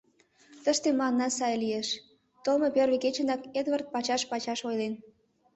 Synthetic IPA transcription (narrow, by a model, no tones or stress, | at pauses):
t̪əʃt̪emɑnːɑsɑjlijeʃ | t̪olmɤpʲørβeket͡ɕə̆nɑked̪βərt̪̚pɑt͡ɕɑʃpɑt͡ɕɑʃojlen